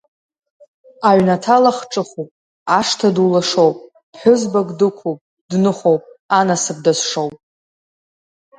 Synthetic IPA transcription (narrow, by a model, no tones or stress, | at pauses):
aʕnatʰalaχʈ͡ʂʼɨχupʼ | aʂtʰadulaʂo̞wpʼ | b̥ħʷʊzbaɡʼdɨkʷʰowpʼ | dnɨχowpʼanasɨb̚dazʂowpʼ